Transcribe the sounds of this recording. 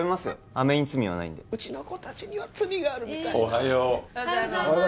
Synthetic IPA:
bemasɨo | ame̞ɲ̟it͡sɨmʲiβa̰na̰ḭ̃nd̪e̞ɯ̟t͡ɕino̞ko̞t̪at͡ɕiɲ̟iβat͡sɨmʲiɡaːɾɯ̟mʲit̪aoɦajo

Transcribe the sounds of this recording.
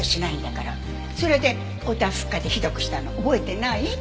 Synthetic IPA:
oɕinaĩnd̪akaɾa | so̞ɾe̞d̪e̞ | ot̪ãɸɯ̟̥kːad̪e̞çid̪o̞kɯ̟̥ɕi̥t̪anoobo̞et̪e̞nai

